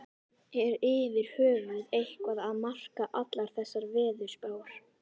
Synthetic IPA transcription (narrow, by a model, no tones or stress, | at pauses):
ɛɾɪːvɪɾ̥hœːvʏðejhkvaðaðmar̥kaʔat̪laɾ̥θɛsːaɾvɪːðʏɾ̥spaːwaɾ̥